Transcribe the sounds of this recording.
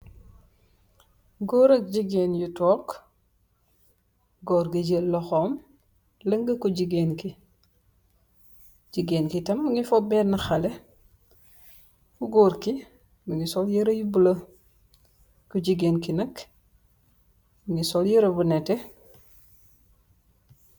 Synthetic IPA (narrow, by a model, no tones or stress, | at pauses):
ɡoːɾɐk̚ɟiɡenjutɔːk | ɡɔːɾɡəɟəllɔxɔːm | lɐŋɡəkuɟiɡenki | d͡ʒiɡeːnkitɐmːuŋifɔbɛnɐxɐle | kuɡoːɾki | muŋɡisɔljəɾɐjubulɐ | kuɟiɡenkinɐk | miŋɡisɔljəɾɐbunɛte